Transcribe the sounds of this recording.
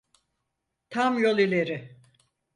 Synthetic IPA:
t̪ʰamjo̞lˠilʲeɾɪ

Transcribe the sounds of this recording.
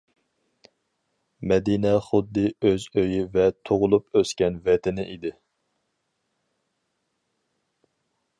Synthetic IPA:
mɛd̪inɛχʊd̪ːɨøzøjivɛt̪ʰoʁʊlˠupøskʲɛnvɛt̪ʰɪnɪʔid̪ɪ

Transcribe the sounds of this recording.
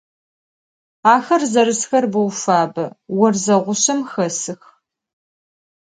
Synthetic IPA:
aːxɐrzɐrɨsxɐrbɨwfaːbɐwɐrzɐʁʷʊɕɐmxɐsɨx

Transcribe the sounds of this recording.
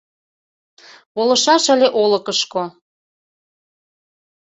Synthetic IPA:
βolɤ̆ʃɑʃə̆leʔoləkəʃko

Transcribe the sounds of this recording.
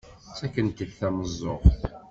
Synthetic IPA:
t͡sːækːənt̪əðθæməzˤːoʁθ

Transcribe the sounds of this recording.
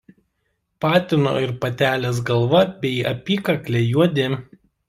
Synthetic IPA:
pɑːt̪ʲɪno̰ːɪɾpɐt̪ʲæːlʲeːs̬ɡɐlˠʋɐbʲɛɪɐ̰pʲiːkɐkʲlʲɛjuɔd̪ʲeː

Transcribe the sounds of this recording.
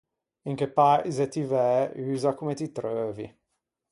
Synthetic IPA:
iŋkepaɾizet̪ivɛyːzakumet̪it̪ɾøːvḭ

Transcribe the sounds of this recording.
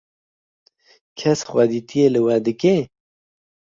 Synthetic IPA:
kʰɛsxwad̪it̪ʰijelɨwɛd̪ɨke

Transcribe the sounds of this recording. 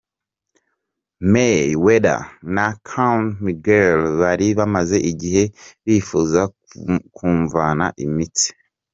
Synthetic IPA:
mejweɾa̰nakʰanmiɡelβaɾiβamaze̞ʔiɟiɦe̞βiːfuːza | kʰuːɱvana̰ʔimiti̥

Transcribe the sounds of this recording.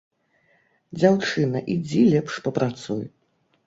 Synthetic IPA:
d͡zʲawt͡ʂɨnɐʔid͡zʲilʲɛpʂpɐpɾat̪suj

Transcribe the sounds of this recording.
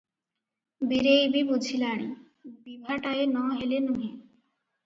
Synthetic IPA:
biɾeibibud͡ʑʱilaːɽ̃i | bibʱaʈaenɔɦelenuɦe

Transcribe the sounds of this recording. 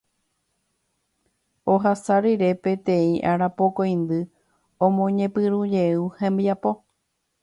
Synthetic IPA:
oɦasaɾiɾe̞pẽ̞t̪ẽ̞ĩʔaɾapo̞kõj̃nd̪ɨ | õmõ̞ɲẽ̞pɨɾũd͡ʒe̞uhẽmbiapo̞

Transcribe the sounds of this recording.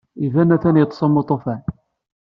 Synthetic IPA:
ivænæθænjət̪ˤsˤɑmːot̪ˤofæn

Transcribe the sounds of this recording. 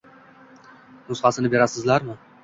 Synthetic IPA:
nʊsχɑsɪnɪbe̞ɾasɪzlaɾmɪ

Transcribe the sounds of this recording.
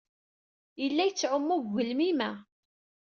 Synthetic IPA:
jəlːæjət͡sːʕʊmːuʝːəlmimæ

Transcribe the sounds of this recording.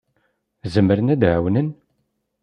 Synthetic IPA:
zəmːəɾənæd̪ʕæwnən

